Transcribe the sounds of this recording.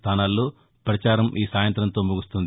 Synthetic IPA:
t̪ʰaːnaːlːoː | pɾɐt͡ʃaːɾɐmʔiːsaːjɐnt̪ɾɐnt̪o̞ːmuɡust̪und̪i

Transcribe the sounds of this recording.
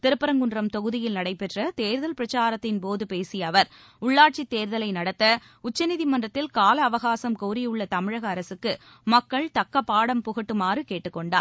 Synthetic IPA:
t̪ɪɾɯpːɐɾɐŋɡɯɳdrɐmt̪ɔɣɯðɪjɪlnɐɽɐɪpːɛʈrɐt̪eːɾðɐlpɪɾɐt͡ʃaːɾɐt̪ːɪnpoːðɯpeːsɪjɐʋɐɾ | ʊɭːaːʈ̚t͡ʃit̪eːɾðɐlɐɪnɐɽɐt̪ːɐ | ʊt͡ʃːɐnɪðimɐndrɐt̪ːɪlkaːlɐːʋɐɣaːsɐmkoːɾɪjʊɭːɐt̪ɐmɪɻɐɣɐːɾɐsɯkːɯ | mɐkːɐɭt̪ɐkːɐpːaːɽɐmpʊɣɐʈːɯmaːrɯkeːʈːɯkːɔɳɖa̰ːɾ

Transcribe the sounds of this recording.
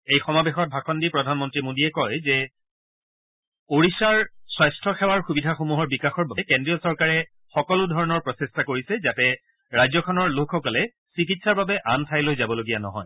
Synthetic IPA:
ejxɔmabexɔt̚bʱaxʰɔndipɹɔdʱanmɔntɹimodiɛkɔjzɛ | oɹisaɹswajstʰɔxɛwaɹxubidʱaxomuɦɔɹbikaxɔɹbabɛkendɹijɔsɔɹkaɹɛ | xɔkɔludʱɔɹɔnɔɹpɹɔsestakoɹisɛzatɛ | ɹajzɔkʰɔnɔɹlokʰxɔkɔlɛ | sik̬itsaɹbabɛʔantʰajlojzabɔloɡijanɔ̰ɦɔ̰j

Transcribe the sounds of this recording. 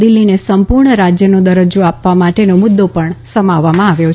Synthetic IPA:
ɪlːinesəmpuɾɳəɾad͡ʒjənod̪əɾəd͡ʒoapʋamaʈenomʊd̪ːopəɳsəmaʋːamãaʋjo

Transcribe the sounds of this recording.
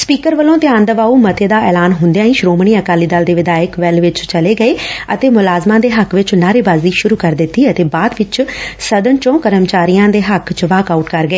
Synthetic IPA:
spiːkəɾʋəlõːt̪ɪãːnd̪əʋaːuːmət̪eːd̪aːɛːlaːnɦʊnd̪jãːĩːʃɾoːmɳ̃iːəkaːliːd̪aːld̪eːʋɪd̪aːəkʋɛlʋɪt͡ʃt͡ʃəleːɡəeːət̪eːmʊlaːzmãːd̪eːɦəkʰʋɪt͡ʃnaːɾeːbaːziːʃʊɾuːkəɾd̪ɪt̪ːiːət̪eːbaːd̪ʋɪt͡ʃsəd̪ənt͡ʃõːkəɾəmt͡ʃaːɾijãːd̪eːɦəkʰt͡ʃʋaːkaːuʈkəɾɡəeː

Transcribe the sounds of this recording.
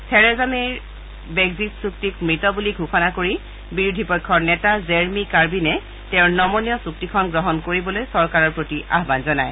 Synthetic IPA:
sʰɛɹɛzameɹ | bɛɡzitsuk̚tik̚mɹitɔbuliɡʱuxɔnakoɹi | biɹudʱipɔjkʰːɔɹnɛtazeɹmikaɹbinɛ | tɛ̃ʊɹnɔmɔnijɔsuktikʰɔnɡɹɔɦɔnkoɹibɔlojsɔɹkaɹɔɹpɹotiʔa̰ɦbanzɔnaj

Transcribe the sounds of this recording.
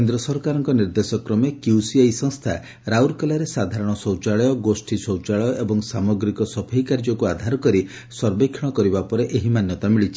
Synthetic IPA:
kend̪ɾɔsɔɾkaɾɔŋkɔniɾd̪esɔkɾɔmekjusiajsɔŋst̪ʰa̰ | ɾawɾkɔlaɾesad̪ʱaɾɔɽ̃ɔsɔwt͡ʃaɭɔjɔɡosʈʰisɔwt͡ʃaɭɔjɔʔebɔŋsamɔɡɾikɔsɔpʰeikaɾd͡ʒɔkuad̪ʱaɾɔkɔɾi | sɔɾbekʰːiɽ̃ɔkɔɾibapɔɾeʔeɦimanjɔt̪amiɭit͡ʃʰi̥

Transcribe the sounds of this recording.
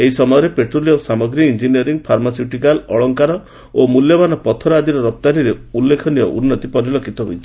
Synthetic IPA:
eɦisɔmɔjɔɾepeʈɾolijɔsamɔɡɾiind͡ʒiniɔɾiŋɡpʰaɾmasiuʈikalɔɭɔŋkaɾɔ | omuljɔbanɔpɔt̪ʰɔɾad̪iɾɔɾɔp̚t̪aniɾeulːekʰɔniɔʔṵnːɔt̪ipɔɾilɔkʰit̪ɔɦo̰jt͡ʃʰi̥

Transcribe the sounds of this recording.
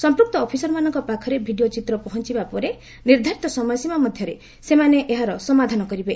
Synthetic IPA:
sɔmpɾuk̚t̪ɔːpʰisɔɾɔmanɔŋkɔpakʰɔɾebʱiɖijot͡ʃit̪ɾɔpɔɦɔnt͡ʃibapɔɾe | niɾd̪ʱaɾit̪ɔsɔmɔjɔsimamɔd̪ʱjɔɾe | semaneʔeɦaɾɔsɔmad̪ʱanɔkɔɾibe

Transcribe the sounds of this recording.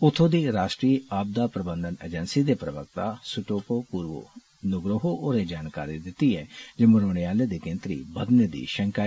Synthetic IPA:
ʊt̪ʰːoːd̪iːɾaːʃʈɾiːaːb̚d̪aːpɾəbənd̪ənḛd͡ʒənsiːd̪eːpɾəʋək̚t̪aːsʊʈoːpoːpuːɾʋo̰ː | nʊɡɾəɦoʔoːɾed͡ʒaːnka̰ːɾid̪ɪt̪ːiːɦɛːd͡ʒeːməɾoːɽ̃eaːled̪iːkɪ̃nt̪ɾḭːbəd̪ned̪ḭːʃəŋkaː

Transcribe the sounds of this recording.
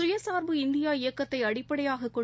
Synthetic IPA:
ʊjɐsaːɾbɯɪnd̪ɪjaːɪjɐkːɐt̪ːɐɪɐɽɪppːɐɽɐjaːɣɐkːɔ

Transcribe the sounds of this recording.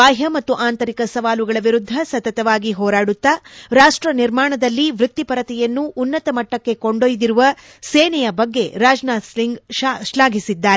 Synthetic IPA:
aːɦjɐmɐt̪ːuʔaːnt̪ɐɾikɐsɐʋaːluɡɐɭɐʋiɾud̪ʱːɐsɐt̪ɐt̪ɐʋaːɡiɦɔːɾaːɽut̪ːɐɾaːʂʈɾɐniɾmaːɳɐd̪ɐlːiʋɾut̪ːipɐɾɐt̪ɛjɐnːuʔːnːɐt̪ɐmɐʈːɐkːe̞koɳɖojd̪iɾuʋɐ | seːnɛjɐbɐɡːe̞ɾaːd͡ʒnasliŋɡʃlaːɡʱisid̪ːaːɾe

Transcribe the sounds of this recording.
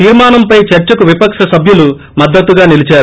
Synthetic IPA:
iːɾmaːnɐmpɐjt͡ʃɐɾt͡ʃɐkuʋipɐkʂɐsɐbʱjulu | mɐd̪ːɐt̪ːuɡaːnilit͡ʃaːɾu

